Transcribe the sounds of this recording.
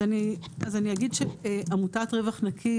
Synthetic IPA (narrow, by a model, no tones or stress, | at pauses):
aniazaniaɡidʃeamutatʁevaχnakʰi